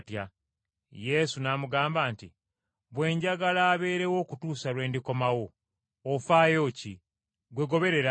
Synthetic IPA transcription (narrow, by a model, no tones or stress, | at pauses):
tja | je̞sunaːmuɡaːmbaːnti | βwe̞ːɲɟaɡalaːβe̞ːɾe̞wo̞ːkutuːsalwe̞ːndiko̞mawo̞ː | faːjo̞ːci | ɡwe̞ɡo̞βe̞ɾe̞ɾa